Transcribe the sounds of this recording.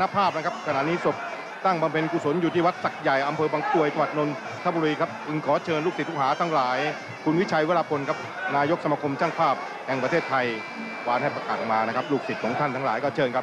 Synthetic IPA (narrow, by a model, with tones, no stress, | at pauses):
na˧˥pʰaː˥˩p̚na˦˥kʰa˦˥p̚kʰna̰˨˩ʔniː˦˥so˨˩p̚ | t̪a˥˩ŋba˧mpʰe˧nkuː˧˩so˩˦njuː˨t̪ʰiː˥˩wa˦˥t̪̚sa˨˩k̚ja˨˩jʔa˧mpʰɤː˧baː˧ŋku˧˩əjt͡ɕa˧wa˨˩t̪̚no˧n | t̪ʰa˦˥bu˧ɾiː˧kʰa˦˥p̚pʰɯ˧nkʰɔː˩˦t͡ɕʰɤː˧nluː˥˩ksi˩t̪̚ʰːu˥khɦaː˩˦t̪ʰa˦˥ŋlaː˩˦j | kʰu˧nwi˦˥t͡ɕʰa˧jweː˦˥laː˧pʰo˧nkʰa˦˥p̚ | naː˧jo˦˥k̚sa˧ma˧kʰo˧mt͡ɕaː˥˩ŋpʰaː˥˩p̚ | hɛ˨˩ŋpɾa˧t̪ʰeː˥˩t̪ʰːa˧j | waː˧nha˥˩jpɾa˧kaː˨˩t̚maː˧na˦˥kʰa˦˥p̚luː˥˩k̚si˨˩t̪̚kʰɔː˩˦ŋt̪ʰa˥˩nt̪ʰa˦˥ŋlaː˩˦jkɔː˥˩t͡ɕʰɤː˧nkʰa˦˥p̚